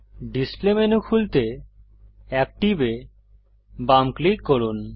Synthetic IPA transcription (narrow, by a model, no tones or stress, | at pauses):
ɖisplemenukʰult̪e | ɛk̚ʈibe | bamklikːoɾun